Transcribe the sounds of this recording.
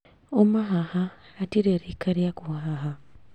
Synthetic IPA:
omaɦahaːtiɾeɾikaɾijakuaɦaɦa

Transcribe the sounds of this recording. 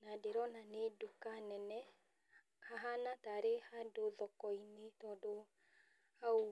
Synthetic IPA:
nadeɾɔnanedokanɛnɛ | haɦanataɾehadoðɔkɔinetɔːdo | hao

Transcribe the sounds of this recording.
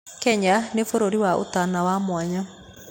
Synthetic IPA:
kɛɲanefoɾoɾiwaʔo̰tanawamwaɲa

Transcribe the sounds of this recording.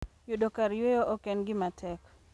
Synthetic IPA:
jodokaɾjejoʔokɛnɡɪmatʰɛk

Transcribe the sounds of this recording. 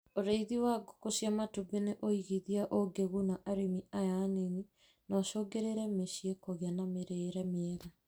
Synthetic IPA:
oɾeiðiwaɡokosjamatubeneʔoiɣiðiaʔoɡeɣunaʔaɾemiajaneni | nɔʃoːɡeɾeɾɛmeɕiekoɣeanameɾeːɾɛmeɛɾa

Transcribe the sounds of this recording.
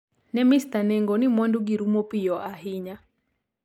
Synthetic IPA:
nɛmist̪anɛŋɡɔnimwanduɡiɾumɔpijɔʔaɦiɲa

